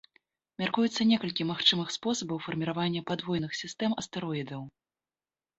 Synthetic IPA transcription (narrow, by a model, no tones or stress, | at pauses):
mʲarkujut̪sːɐnʲɛkɐlʲkʲimaxt͡ʂɨmɨxspɔsɐbɐwfɐrmʲiɾavanʲːɐpad̪vɔjnɨxsʲist̪ɛmɐst̪ɛɾɔjid̪ɐw